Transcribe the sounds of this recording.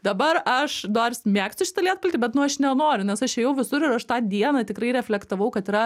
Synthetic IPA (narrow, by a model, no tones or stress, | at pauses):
d̪ɐbɐrɐʃd̪ɐːrsʲmʲæːksʲʊʃʲɪ̥t̪ɐlʲiɛt̪pʊlʲt̪ʲiːbʲɛt̪nʊɐʃnʲɛnoːɾʲʊnʲɛsɐʃɛjɛʊʋʲɪsʊɾɪɾɐʃt̪ɑːd̪ʲiɛnɐt̪ʲɪkrɐɪɾʲɛfʲlʲɛkt̪ɐʋɐʊkɐt̪iɾɐ